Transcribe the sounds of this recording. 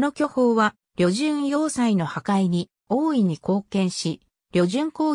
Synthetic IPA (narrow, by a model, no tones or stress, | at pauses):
no̞kʲoho̞ːβa | ɾʲo̞ʑɨ̃ɰ̃jo̞ːsaino̞hakaiɲ̟i | oːiɲ̟iko̞ːkẽ̞ɰ̃ɕi | ɾʲo̞ʑɨ̃ŋko̞ː